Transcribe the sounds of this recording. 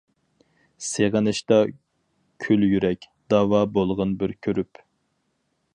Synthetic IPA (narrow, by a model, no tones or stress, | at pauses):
seʁənɨʃt̪ɑ | kʲʰyljyɾɛkʲ | d̪̥ɑːwɑbolˠʁənbɪɾkʲʰøɾyp